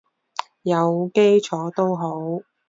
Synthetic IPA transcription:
jɐ˨˧wke˥jt͡sʰɔː˨˥t̪o˥wɦo˨˥w

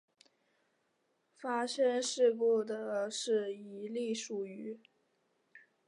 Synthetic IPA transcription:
fa˥ʂə˥nʂɻ̩˥˧ku˥˩d̪ə˩ʂɻ̩˥˩i˧˥li˥˩ʂu˨˩y˧˥

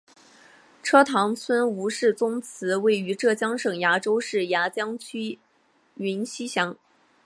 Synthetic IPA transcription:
ʈ͡ʂʰɤ˥t̪ʰɑ˧˥ŋt͡sʰwə˥nu˧˥ʂɻ̩˥˩t͡sʊ˥ŋt͡sʰɹ̩˧˥we˥˩ɪy˧˥ʈ͡ʂɤ˥˩t͡ɕjɑ˥ŋʂɤ˨˩ŋja˧˥ʈ͡ʂo˥ʊʂɻ̩˥˩ja˧˥t͡ɕjɑ˥ŋt͡ɕʰy˥ | ɥi˧˥nɕi˥ɕjɑ˧˥ŋ

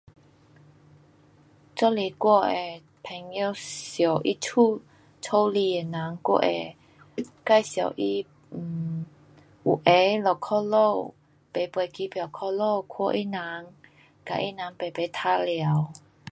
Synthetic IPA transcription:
t͡sɔ˥˦li˨˩kwɔ˥˧ʔe˨˩ | pʰɛ˨˩ŋjo˧sjo˨˩wʔi˧t͡sʰu˥˨ | t͡sʰo˧˦wli˧˩e˨˩na˨˦ŋkwɔ̰˥˨ʔḛ˨˩ | ka˥˨jsja̰˨˩wʔi˧˨ | ʔu˨˩ʔe˨˦lɔ˨˩kʰɔ˥˧lo˥˧˨ | pe˨˩pwe˨˩ki˨˦pja˨˩wkʰɔ˧lo˥˧kʰɔ˧ʔi˦˨nã˨˦ŋ | ka̰˨ʔi˦˥nã˨˦ŋpe˨˩pe˨˦t̪ʰa˧lja˨˦w

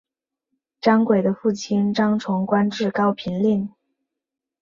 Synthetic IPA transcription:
ʈ͡ʂɑ˥ŋkwe˨˩ɪd̪ə˦fu˥˩t͡ɕʰi˥nʈ͡ʂɑ˥ŋʈ͡ʂʰʊ˧˥ŋkwa˥nʈ͡ʂɻ̩˥˩kɑ˥ʊpʰi˧˥nli˥˩n

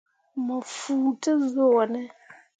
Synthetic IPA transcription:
ma˨fuː˨tə˦zo˦˨wa˨nɛ˦

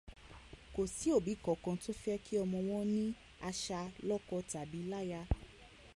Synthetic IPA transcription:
ko˨si˨˦o˦˨bi˨˦kɔ˨kã˧to˦fɛ˦ki˦ɔ˧mɔ̃˧w̃ɔ̃˦nĩ˦ | a˧ʃa˧lɔ˦kɔ˦ta˨bi˨˦la˦ja˧

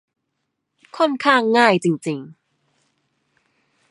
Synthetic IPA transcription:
kʰo˥˩nkʰaː˥˩ŋːaː˥˩jt͡ɕi˧ŋt͡ɕi˧ŋ

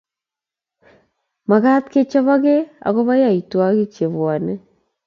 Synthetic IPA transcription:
ma˨ɣa˦tke˦t͡ʃe˦βa˦ɣe˦a̰˨ɣo˦βa˦ja˦˨i˨twa˦ɣi˦t͡ʃe˨βwa˨ne˦

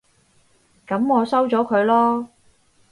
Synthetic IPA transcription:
kɐ˨˥mɔː˨˧sɐ˥wt͡sɔː˨˥kʰɵ˨˧ɥlɔː˥

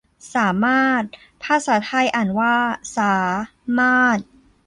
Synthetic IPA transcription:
saː˩˦maː˥˩t̪̚ | pʰa˧˥saː˩˦t̪ʰa˧jʔa˨˩nwaː˥˩saː˩˦ | maː˥˩t̪̚

